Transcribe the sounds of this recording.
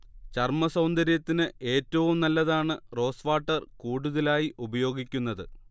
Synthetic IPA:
t͡ɕɐrmɐsɐwnd̪ɐɾjɐt̪ːinɨe̞ːtːɐʋumnɐlːɐðaːɳɨro̞ːsʋaːʈːɐrkuːɽuðɐlaːjiʔubɐjo̞ːɡikʲːunːɐðɨ

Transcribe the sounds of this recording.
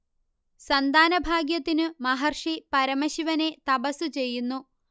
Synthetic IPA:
sɐnd̪ʱaːnɐbʱaːɡjɐt̪ːinɨmɐɦɐrʂipɐɾɐmɐɕiʋɐne̞t̪ɐbɐsut͡ɕe̞jːunːu

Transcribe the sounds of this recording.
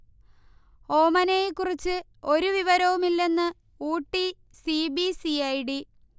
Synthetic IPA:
ho̞ːmɐnejekːurit͡ɕːɨ | o̞ɾuʋiʋɐɾɐʋumilːe̞nːɨ | uːʈːi | sibisiɐjɽi

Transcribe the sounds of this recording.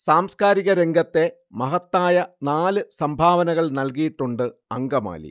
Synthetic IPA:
saːmskaːɾiɣɐɾe̞ŋɡɐt̪ːe̞ | mɐɦɐt̪ːaːjɐnaːlɨsɐmbʱaːʋɐnɐɣɐɭnɐlk̬ijiʈːuɳɖɨɐŋɡɐma̰ːlḭ

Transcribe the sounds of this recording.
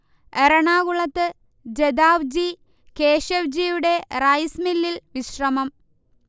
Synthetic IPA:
eɾɐɳaːɣuɭɐt̪ːɨ | d͡ʑed̪aːʋd͡ʑi | ke̞ːɕɐʋd͡ʑijuɽe̞rɐjsmilːilʋiɕrɐmɐm

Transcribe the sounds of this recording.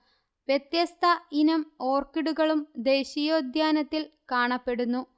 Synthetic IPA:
ʋjɐt̪jɐst̪ʰɐinɐmo̞ːrkiɽuɣɐɭumd̪e̞ːɕijo̞ːd̪ʱjaːnɐt̪ːilkaːɳɐpːe̞ɽunːu

